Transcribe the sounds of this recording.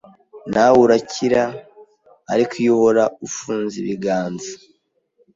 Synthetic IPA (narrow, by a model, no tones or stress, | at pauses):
nawuɾacʰiɾa̰ː | ɾikʰijohoɾaufuːnziβiɡaːnza